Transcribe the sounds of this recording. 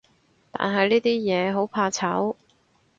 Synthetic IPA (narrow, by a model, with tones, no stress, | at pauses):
t̪a̰ː˨nɦɐ˨jliː˥t̪iː˥jɛː˨˧ɦo˨˥wpʰaː˧t͡sʰɐ˨˥w